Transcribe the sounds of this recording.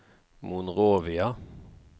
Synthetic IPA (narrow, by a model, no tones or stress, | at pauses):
mʊnʁoːʋɪɑ